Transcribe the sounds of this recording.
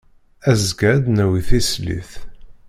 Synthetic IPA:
æzɡæd̪næwiθislḭθ

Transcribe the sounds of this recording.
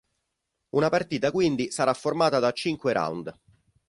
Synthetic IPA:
unapart̪iːt̪akwind̪isaɾafːormaːt̪ad̪at͡ʃːiŋkweɾa̰wnd̪

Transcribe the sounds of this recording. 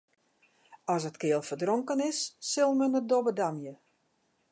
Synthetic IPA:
ɔsətkɪəlˠfərdroŋkənɪsːɪlˠmənədobədamjə

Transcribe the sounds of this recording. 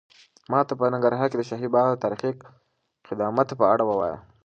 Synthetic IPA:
mɑt̪apənaŋɡaɾɦɑked̪əʃaɦibɑɣt̪aɾxiq | xɪd̪ɑmat̪pəaɽawəwɑ̰jə̰

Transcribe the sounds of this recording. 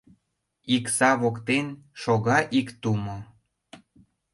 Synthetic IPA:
iksɑβokt̪enʃoɣɑʔikt̪umo

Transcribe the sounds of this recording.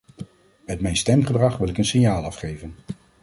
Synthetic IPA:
mɛtmɛjnstɛmχədrɑχʋɪlˠɪkənsɪɲjaːlˠɑfχejvən

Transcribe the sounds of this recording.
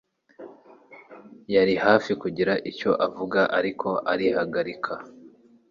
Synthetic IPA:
jaɾihaːfikuɟiɾaʔico̞ʔavuɡaʔaɾikʰo̞ʔaɾihaɡaɾikʰa

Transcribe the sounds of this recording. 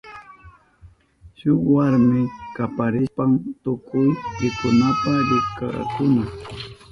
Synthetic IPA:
ʃʊwaɾmɪkapaɾɪspamt̪ʊkʊjɾɪkʊnapaɾɪka̰kʊna

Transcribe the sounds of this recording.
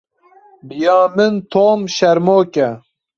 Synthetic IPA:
bijɑːmɨnt̪ʰoːmʃɛɾmoːkʲɛ

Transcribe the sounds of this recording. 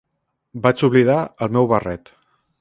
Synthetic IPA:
bat͡ʃuβliðaəlˠmɛwβərɛt̪

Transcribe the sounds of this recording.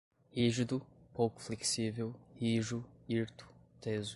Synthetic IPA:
iʒud̪upokufleksivewiʒuiɾt̪u̥t̪eːzu

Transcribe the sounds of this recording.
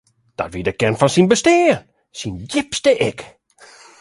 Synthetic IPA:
d̥ɔ̰tʋiədəkɛnfɔnsinbəsteːn | sinjɪpstəʔɪk

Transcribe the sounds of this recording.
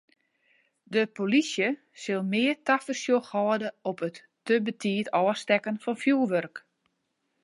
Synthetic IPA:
dəpolisjə | sɪlˠmɪərtafəsjoxɔːdəɔpətːəbətʰiːtʰɔːstɛkənfɔnfjuʋørk

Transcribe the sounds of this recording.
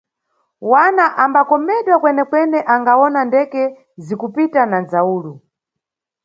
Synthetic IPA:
wanaʔambakɔmɛɗwakwɛnɛkwɛnɛʔaŋɡawɔnandɛkɛ | zikupitanand͡zauːlu

